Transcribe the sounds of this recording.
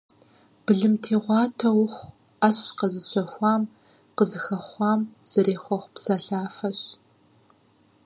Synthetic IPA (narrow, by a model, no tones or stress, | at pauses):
b̥ɨɮɨmtʰeːʁʷɑːtʰɐwxʷ | aɕqəzɨɕɐxʷɑːm | qəzɨxɐχʷɑːmz̥ɐɾeːxʷɔχʷpsaɬaːfɐɕ